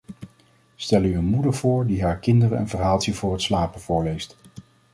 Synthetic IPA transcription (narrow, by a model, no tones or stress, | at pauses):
stɛlyənmudəɹv̥ʊːɹdiɦaːɹkɪndərəə̰nvəɹɦaːlˠsivʊːɹətslaːpənvʊːɹlejst